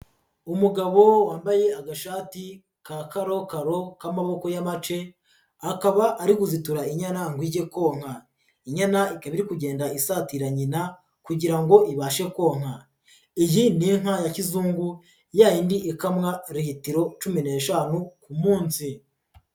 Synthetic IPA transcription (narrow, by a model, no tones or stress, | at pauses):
umuɡaβowaːmbaje̞aɡaʃaːti | kakaɾo̞kaɾo̞kamaβo̞ko̞jamat͡ʃe̞ | akaβaʔːɾikuzituɾaiɲanaŋɡwiːɟe̞ko̞ːŋ̥ha | iɲanaikaβiɾikuɟe̞ːndaisatiɾaɲina | kuɟiɾaŋɡo̞ʔiβaʃe̞ko̞ːŋ̥ha | ijiniŋ̥hajacizuːŋɡu | jaːjindiʔekamŋaɾihitiɾo̞t͡ʃumine̞ːʃaːnukumuːnsi